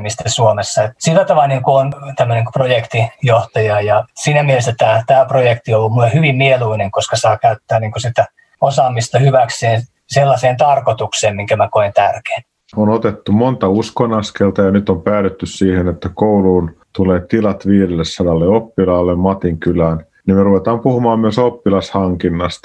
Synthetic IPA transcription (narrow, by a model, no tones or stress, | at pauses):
mist̪esuomesːɑet̪silːæt̪ɑʋɑniŋkuont̪æmːøneŋkprojekt̪ijoht̪ɑjɑjɑsiːnæmielest̪ːæt̪æːt̪æːprojekt̪iolːummulːehyʋimmieluineŋkoskɑsɑːkæyt̪ːæːniːŋkosit̪æ | osɑːmist̪ɑhyʋækseːn | selːɑseːnt̪ɑrkot̪ukseːmmiŋkæmækoint̪ærke̥ːn | onot̪et̪ːumont̪ɑuskonɑskelt̪ɑjɑnyt̪ompæːɾyt̪ːyssiːhenet̪ːækouluːnt̪uleːt̪ilɑt̪ʋiːɾelːessɑdɑlːeopːilɑːlːemmɑt̪iŋkylæːn | nimeruʋet̪ɑːmpuhumɑːmmyøsopːilɑshɑŋkinːɑst̪ɑ̥